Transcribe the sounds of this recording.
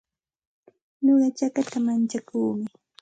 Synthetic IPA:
ɲoɢɑt͡ʃakat̪amant͡ʃakuːmɪ

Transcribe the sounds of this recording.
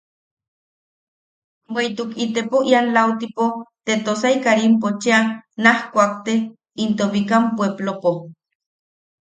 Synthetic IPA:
weit̪ukit̪epoʔianlawt̪ipot̪et̪osaikaɾimpot͡ʃianahkʷak̚t̪e | int̪oβikampweblopo

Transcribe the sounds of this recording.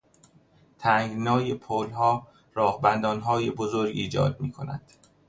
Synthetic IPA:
t̪ʰæːŋɡnɒːjepʰoːlɦɒː | ɾɒːhbænd̪ɒːnɦɒːjebozoɾɡiːd͡ʒɒ̰ːd̪̥̚miːkʰo̞̰næ̰d̪̥

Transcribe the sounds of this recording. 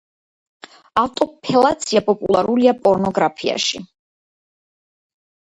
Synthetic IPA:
aft̪ʼɔpʰɛlˠat̪sʰiapʼɔpʼṵlˠaɾuliapʼɔɾnɔɡɾapʰia̰ʃi

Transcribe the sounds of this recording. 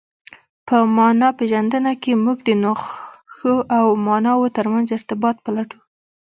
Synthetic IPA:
pəmɑnɑpeʒand̪ənakemuɡd̪ənoxxəʔawmɑnɑwot̪əɾmanzɪɾt̪ɪbɑt̪̚pəlaʈu

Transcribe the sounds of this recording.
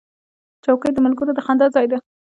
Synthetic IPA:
t͡ʃawkəjd̪əmalɡəɾod̪əxand̪ɑzɑjd̪a

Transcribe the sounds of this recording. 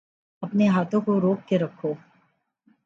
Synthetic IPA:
ɐpneɦaːt̪ʰõkoɾoːkːeɾɐkʰːoː

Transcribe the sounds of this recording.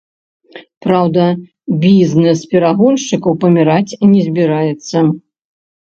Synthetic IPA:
pɾawd̪ɐ | bʲiznɛspʲɛɾaɣɔlʲʂt͡ʂɨkɐwpɐmʲiɾat͡sʲnʲɛzʲbʲiɾajɛt̪sːɐ

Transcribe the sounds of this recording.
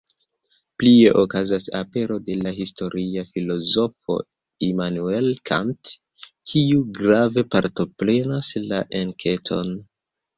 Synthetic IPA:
plie̞ʔokazasape̞ɾo̞de̞laɦisto̞ɾʔiafilo̞zo̞fo̞̰ | imanue̞lkʰa̰nt | kʰiuɡɾave̞paɾto̞pɾe̞nasla̰ʔenkʰe̞tʰo̞̰n

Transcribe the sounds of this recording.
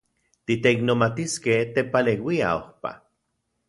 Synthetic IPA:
t̪it̪eiknomat̪iskeht̪epalewia̰ohpa̰

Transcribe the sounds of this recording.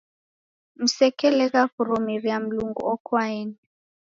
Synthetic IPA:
m̩sɛkɛlɛkaɣuɾɔmiriam̩luŋɡṵɔkʰwaɛni

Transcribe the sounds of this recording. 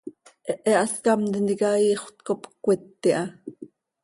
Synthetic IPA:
ʔɛʔɛʔɑskɑmt̪ind̪ikɑiːχʷt̪kopkʷːit̪ːiʔɑ

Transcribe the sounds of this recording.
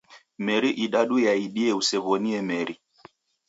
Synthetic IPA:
mɛɾiʔiɗaɗujaiɗiɛusɛβɔniɛmɛɾi

